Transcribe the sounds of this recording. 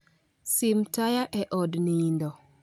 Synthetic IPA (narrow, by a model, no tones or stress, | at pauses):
simtajaʔɛʔɔdnindɔ